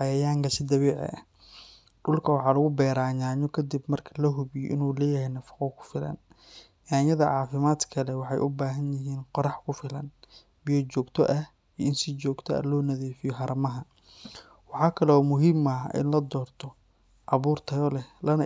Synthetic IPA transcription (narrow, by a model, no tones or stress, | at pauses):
ɑjɐjaːŋkʰɐsɪd̪ɐβɛːʕɛ̰ʔɐ | ɖʊlkʰɐwɑħɑːlɐɣʊbɛːɾaːɲaːɲɔkʰɐd̪ɪbmɐrkʰɐlɐɦʊβɪjɔ̰ʔɪnuːlɛːjɐhɛjnɐfɑ̥qɔkʰʊ̥fɪlɐ̰n | jaːjɐðɐʕɑːfɪmaːd̪kʰɐlɛwɑħɑjʔʊbaːɦɐnjɪɦiːnqɔɾɑħkʰʊfɪlɐ̰n | bijɔt͡ʃɔːɡt̪ʰɔ̰ʔɐh | iʔɪnsɪt͡ʃɔːɡt̪ʰɔɐ̰lɔːnɐðiːfɪjɔɦɐɾɐmɐɦɐ | wɑħɑːkʰɐlɛɔːmʊɦiːmɐʔɪ̰nlɐd̪ɔːrt̪ʰɔ | ʔɑβuːrt̪ʰɐjɔlɛlɐnɐ